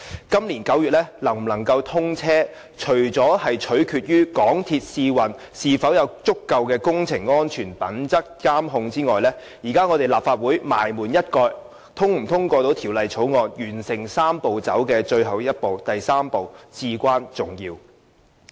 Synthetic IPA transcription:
kɐ˥mliː˨˩nkɐ˨˥wjyː˨t̚lɛ˥lɐ˨˩ŋm̩˨˩nɐ˨˩ŋkɐ˧wt̪ʰʊ˥ŋt͡sʰɛː˥ | t͡ʃʰɵ˨˩ɥt͡sɔː˨˥hɐ˨jt͡ʃʰɵ˨˥ɥkʰyː˧t̚jyː˥kɔː˨˥ŋt̪ʰi˧t̚siː˧wɐ˨˩n | siː˨fɐ˨˥wjɐ˨˧wt͡sʊ˥kːɐ˧wkɛː˧kʊ˥ŋt͡sʰɪ˨˩ŋːɔː˥nt͡ʃʰyː˨˩npɐ˨˥nt͡sɐ˥k̚kaː˥mɦʊ˧ŋt͡siː˥ŋɔː˨jlɛː˥ | jiː˨˩kaː˥ŋɔː˨˧t̪e˨˩jlaː˨pfaː˧t̚wuː˨˥jma̰ː˨˩jmuː˨˩njɐ˥t̚kɔː˧j | t̪ʰʊ˥ŋm̩˨˩t̪ʰʊ˥ŋkɔː˧t̪o˨˥wt̪ʰiː˨˩wlɐ˨jt͡ʃʰo˨˥wŋɔː˨˧njyː˨˩nsɪ˨˩ŋsaː˥mpo˨wt͡sɐ̰˨˥wkɛː˧t͡ʃɵ˧ɥɦɐ˨wjɐ˥t̚po˨wt̪ɐ˨jsaː˥mpo˨wt͡siː˧kʷaː˥nt͡sʊ˨ŋjiː˧w

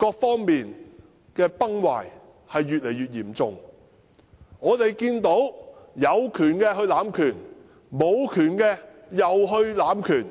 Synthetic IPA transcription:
kɔː˧k̚fɔː˥ŋmiː˨n | kɛː˧pɐ˥ŋwa̰ː˨˩j | hɐ˨jːyː˨t̚le˨˩jɥyː˨t̚jiː˨˩mt͡sʊ˨ŋ | ŋɔː˨˧t̪e˨jkiː˧nt̪o˨˥wjɐ˨˧wkʰyː˨˩nkɛː˧ɦɵ˧ɥlaː˨˥mkʰyː˨˩n | mo˨˧wkʰyː˨˩nkɛː˧jɐ˨wɦɵ˧ɥlaː˨˧˥mkʰyː˨˩n

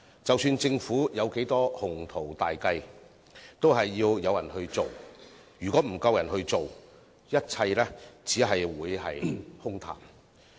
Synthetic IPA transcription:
t͡sɐ˨wsyː˧nt͡sɪ˧ŋfuː˨˥jɐ˨˧wke˨˥jt̪ɔː˥hʊ˨˩ŋt̪ʰo˨˩wt̪aː˨jkɐ˧j | t̪o˥whɐ˨jːiː˧wjɐ˨˧wjɐ˨˩nhɵ˧ɥt͡so˨˩w | jyː˨kʷɔː˨˥m̩˨˩kɐ˧wjɐ˨˩nɦɵ˧ɥt͡so˨w | jɐ˥t̚t͡sʰɐ˧jlɛː˥t͡siː˨˥ɦɐ˨jwuː˨˧jhɐ̰˨jhʊ˥ŋt̪ʰa̰ː˨˩m

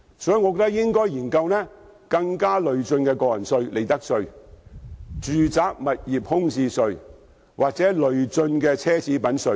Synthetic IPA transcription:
sɔ˨˥˨ŋɔ˨˧kɔ˧˥t̪ɐ˥k̚jɪ˥ŋkɔː˥jiː˨˩nkɐ˧wnɛː˥ | kɐ˧ŋkaː˥lɵ˨ɥt͡sɵ˧nkɛː˧kɔː˧jɐ˨˩nsɵ˧ɥle˨˩jt̪ɐ˥k̚sɵ˧ɥ | t͡ʃyː˨t͡saː˨˥k̚mɐ˨t̚jiː˨p̚hʊ˥ŋsiː˧sɵ˧ɥ | wʔaː˨k̚t͡sɛː˨˥lɵ˨ɥt͡sɵ˧nkɛː˧t͡sʰɛː˥t͡siː˨˧˥pɐ˨˥nsɵ˧

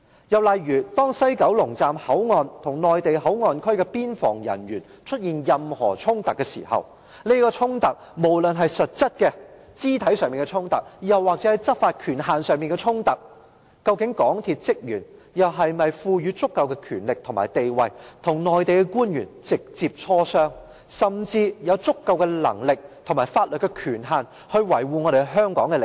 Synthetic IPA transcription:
jɐ˨wlɐ˨jɥyː˨˩t̪ɔː˥ŋsɐ˥jkɐ˨˥wlʊ˨˩ŋt͡saː˨mhɐ˨˥wŋɔː˧nt̪ʰʊ˨˩ŋnɔː˨jt̪e˨jɦɐ˨˥wŋɔː˨nkʰɵ˥ɥkɛ˧piː˥nfɔ̰ː˨˩ŋjɐ̰˨˩njyː˨˩n | t͡ʃʰɵ˥t̚jiː˨njɐ˨mhɔ̰ː˨˩t͡ʃʰʊ˥ŋt̪ɐ˨kːɛː˧sḭː˨˩hɐ̰˨w | ne˥kɔː˧t͡sʰʊ˥ŋt̪ɐ˨k̚mo˨˩wlɵ˨nɦɐ˨jsɐ˨t̚t͡sɐ˥t̚kɛ˧ | t͡siː˥t̪ʰɐ˨˥jsœː˨˧ŋmiː˨˩ŋkɛ˧t͡ʃʰʊ˥ŋt̪ɐ˨k̚jɐ˨˩wːaː˨k̚t͡sɛ˨˥˨jt͡sɐ˥t̚faː˧t̚kʰyː˨˩nɦaː˨nsœː˨ŋmiː˨nŋkɛ˧t͡sʰʊ˥ŋt̪ɐ˨k̚ | kɐ˧wkɪ˨˥ŋkɔː˨˥ŋt̪ʰi˨˧t̚t͡sɪ˥k̚jyː˨˩n | jɐ˨wɦɐ˨jmɐ˨jfuː˧jyː˨˥t͡sʊ˥kːɐ˧wkɛ˧kʰyː˨˩nlɪ˨k̚t̪ʰʊ˨˩ŋma̰ː˨˩jt̪e˨jwɐ˨jt̪ʰʊ˨˩ŋnɔː˨jt̪e˨jkɛ˧kuː˥njy̰ː˨˩nt͡sɪ˨k̚t͡siː˧p̚t͡ʃʰɔː˥sœː˥ŋ | sɐ˨mt͡siː˧jɐ˨˧wt͡sʊ˥kːɐ˧wkɛ˧lɐ̰˨˩ŋlɪ˨k̚t̪ʰʊ˨˩ŋmaː˨˩jfaː˧t̚lɵ˨t̚kːɛ˧kʰyː˨˩nɦaː˨˩n | hɵ˧ɥwɐ˨˩jwuː˨˩ŋɔ˨˧ɾe˨˧ɦœː˥ŋkɔː˨˥ŋkɛ˧ɪ˨

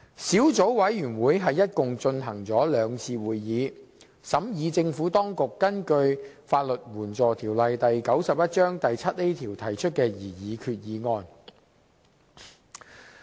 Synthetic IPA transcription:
siː˨˥wt͡so˨˥wwɐ˨˥jɥyː˨˩nwuː˨˧jɦɐ˨jːɐ˥t̚kʊ˨ŋt͡ʃɵ˧nɦɐ˨˩ŋt͡sɔː˨˥lœː˨˧ŋt͡sʰiː˧wuː˨jːiː˨˧ | sɐ˨˥mjiː˨˧t͡sɪ˧ŋfuː˨˥t̪ɔː˥ŋkʊ˨kːɐ˥nkɵ˧ɥ | faː˧t̚lɵ˨t̚wuː˨˩nt͡sɔː˨t̪ʰiː˨˩wlɐ˨jt̪ɐ˨jkɐ˨˥wsɐ˨p̚jɐ˥t̚t͡ʃœː˥ŋt̪ɐ˨jt͡sʰɐ˥t̚ne˥jt̪ʰiː˨˩wt̪ʰɐ˨˩jt͡ʃʰɵ˥t̚kɛː˧jiː˨˩jiː˨˧kʰyː˧t̚jiː˨˧ŋɔː˧n

